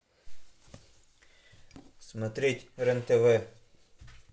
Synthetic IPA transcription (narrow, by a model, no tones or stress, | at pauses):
smɐt̪ɾʲitʲɾɛnt̪eʋɛ